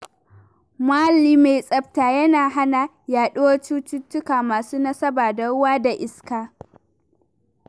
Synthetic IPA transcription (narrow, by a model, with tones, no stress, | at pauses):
maː˦liː˦ma˨jsʼɐ˦b̚taː˨jɐ˦naː˨ɦa˦na˨ | jaː˨ɗʊ˦wo˦t͡ʃuː˦t͡ʃʊ˦tːʊ˦kaː˨maː˨suː˦nɐ˦sɐ˦baː˨da˨ɽʊ˦waː˦da˨ʔɪ˨skaː˦